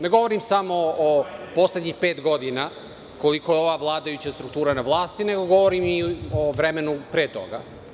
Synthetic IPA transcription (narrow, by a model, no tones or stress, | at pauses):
neɡo̞ʋoɾimsamo̞ːpo̞sled̪ɲixpe̞ːt̪ɡo̞d̪ina | ko̞likojeo̞ʋaʋlˠaːd̪ajut͡ɕast̪ɾukt̪uːɾanaʋlˠaːst̪ine̞ɡo̞ɡo̞ʋoɾimioʋɾemenupɾeːt̪o̞̰ɡa̰